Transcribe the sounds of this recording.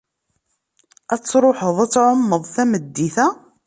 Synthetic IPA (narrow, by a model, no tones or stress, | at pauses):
æt͡sːɾˤoħəðˤæt͡sːʕomːəðˤθæməd̪ːiθæ